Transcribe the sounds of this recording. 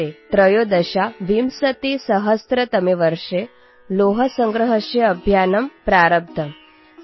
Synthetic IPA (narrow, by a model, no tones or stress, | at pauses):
et̪ɾɐjoːd̪ɐʃaʋimsɐt̪isɐɦɐst̪ɾɐt̪ɐmeʋɐɾʂe | loːɦɐsɐŋɡɾɐɦɐʃjɐɐbʱjaːnɐmpɾaːɾɐb̚t̪ʰɐm